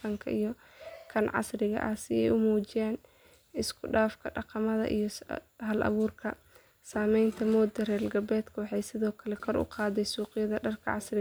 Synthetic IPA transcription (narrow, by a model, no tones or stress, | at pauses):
ɐŋkʰɐʔijɞ | kʰɐnʕɑ̰srɪɣɐ̰ʔɐsɪɛ̰jʊmuːt͡ʃɪjaːn | ɪskʰʊɖaːfkʰɐɖɑqɑmɐðɐ̰ʔijɞɦɐlʔɐ̰βuːrkʰɐ | saːmɛjnt̪ʰɐmɔːd̪ɐrɛːlɡɐbɛːd̪kʰɐwɑħɑjsɪðɔːkʰɐlɛkʰɔrʊ̰qɑːðɛjsuːqɪjɐðɐɖɐrkʰɐ̰ʕɑsrɪ